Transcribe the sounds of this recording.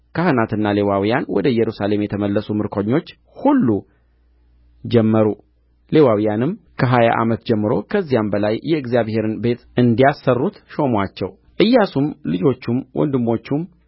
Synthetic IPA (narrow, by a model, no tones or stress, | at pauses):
kʰahɨnat̪ɨnːale̞wawijanwɔ̰d̪əjɛɾusale̞mjɛt̪ʰəməlːəsumɨɾkʰoɲːo̞t͡ʃː | hulːu | d͡ʒɛmːəɾu | le̞wawijanɨmkʰəɦaja̰ʔa̰mət̪d͡ʒɛmːɨɾo̞kʰəzːijambəlajːɛɨɡzijaβhe̞ɾɨnbe̞t̪ʔɨnd̪ijasːərːut̪ʃo̞mwat͡ʃːɛw | ʔɨjːasumlɨd͡ʒo̞t͡ʃːumwʔɔ̰nd̪ɨmːo̞t͡ʃːum